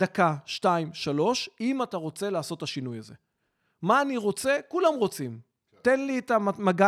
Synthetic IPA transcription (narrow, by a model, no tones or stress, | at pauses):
dakaʃtaimʃalo̞ʃimataʁo̞t͡se̞laːso̞t̪ːaʃinujaze̞̰ | maːniʁo̞t͡se̞kulamʁo̞t͡sim | tenliet̪aamaɡa